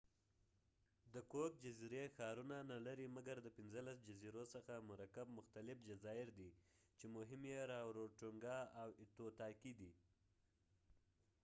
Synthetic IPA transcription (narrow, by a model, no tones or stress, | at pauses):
d̪əkok̚d͡ʒaziɾexɑɾunanalaɾimaɡaɾd̪əpɪnzəlasd͡ʒaziɾosəxamʊɾakab̚mʊxt̪alɪfd͡ʒazɑɪɾd̪i | t͡ʃemʊɦɪmjeɾɑwɾoʈuŋɡɑawɪt̪ot̪ɑkid̪i